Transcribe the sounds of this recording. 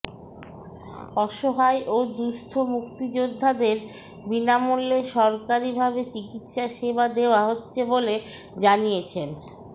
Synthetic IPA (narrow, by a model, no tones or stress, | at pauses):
ɔʃoɦaeʔod̪ust̪ʰomukt̪id͡ʑod̪ʱːad̪eɾ | binamulːeʃɔɾkaɾibʱabet͡ɕikit̪ʃaʃebad̪eoaɦotːɕʰeboled͡ʑanijet͡ɕʰen